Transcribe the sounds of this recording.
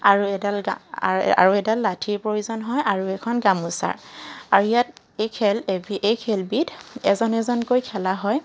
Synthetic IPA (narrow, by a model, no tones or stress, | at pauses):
aɹuɛdalɡa̰a̰ɹuɛdalːatʰiɹpɹojuzɔnɦɔjaɹuɛkʰɔnɡamusa̰ɹaɹuijat | ejkʰɛlebiʔejkʰɛlbidɛzɔnɛzɔnkojkʰɛlaɦɔj